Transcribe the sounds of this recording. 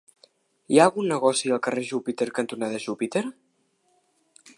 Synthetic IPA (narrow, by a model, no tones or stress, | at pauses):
iaːlɣunːəɣɔsiəlˠkəreʒupit̪eɾkənt̪unaðəʒupit̪eɾ